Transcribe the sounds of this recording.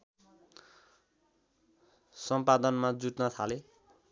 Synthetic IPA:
sʌmpad̪ʌnmad͡zuʈnʌt̪ʰale

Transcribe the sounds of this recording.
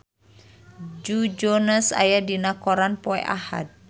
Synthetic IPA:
d͡ʒud͡ʒɔnasa̰jadinakɔɾanpɔɛ̰ʔa̰ha̰t̪̚

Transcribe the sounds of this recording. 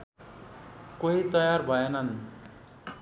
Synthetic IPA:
koɦit̪ʌjarbʱʌenʌn

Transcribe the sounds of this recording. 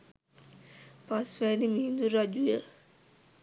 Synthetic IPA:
pasʋæːnimiːnd̪uɾad͡ʒujə

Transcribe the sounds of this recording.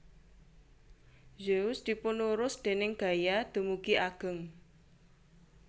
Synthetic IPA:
d͡ʒeusd̪̥i̤pʊnuɾʊsd̪̥e̤nɪŋɡ̥a̤jad̪̥ṳmukiaɡ̥ə̤ŋ

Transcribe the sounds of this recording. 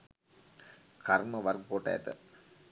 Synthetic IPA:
kɐrmɐʋɐrkpoːʈːa̰jɐ̰t̪ɨ̰

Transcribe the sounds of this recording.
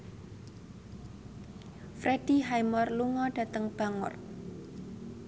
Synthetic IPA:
fɾʔeɖ̥i̤ɦajmɔrluŋɔɖ̥ä̤t̪əŋb̥a̤ŋɔ̰r

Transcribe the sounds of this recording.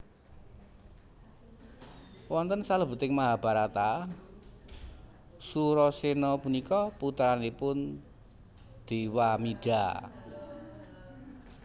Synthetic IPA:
wɔnt̪ənsaləbə̤t̪ɪŋmaɦab̥a̤ɾat̪a | suɾɔsenɔpunikɔput̪ɾanipʊn | d̪̥i̤wamiɖ̥a̤

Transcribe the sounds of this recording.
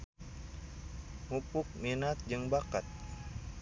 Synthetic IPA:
mupuk̚minat̪̚d͡ʒɨŋbakat̪̚

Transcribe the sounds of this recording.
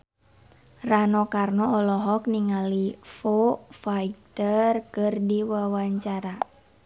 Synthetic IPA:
ranɔkarnɔɔlɔɦɔkniŋalifofait̪ərkɨrdiwawaɲt͡ʃaɾa

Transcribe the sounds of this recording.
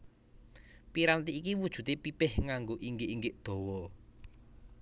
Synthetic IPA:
piɾant̪iikiwud̥ʒ̥ṳt̪epipɪhŋaŋɡoʔiŋɡɪʔiŋɡɪʔd̪̥ɔ̤wɔ

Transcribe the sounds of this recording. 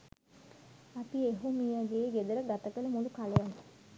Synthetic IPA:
apieɦumijaɡeːɡed̪əɾəɡat̪əkələmulukaləjan

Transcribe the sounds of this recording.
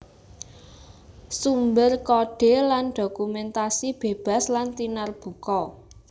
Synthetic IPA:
sumbərkɔɖ̥e̤lanɖ̥o̤kumɛnt̪asib̥e̤b̥a̤slant̪inarb̥ṳkɔ

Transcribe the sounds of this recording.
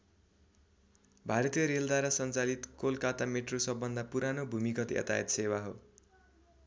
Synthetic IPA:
bʱaɾʌt̪ijʌɾeld̪aɾasʌnt͡salit̪kolkat̪ameʈrosʌbːʌnd̪apuɾanobʱumikʌt̪jʌ̰t̪a̰jet̪sewaɦo̰

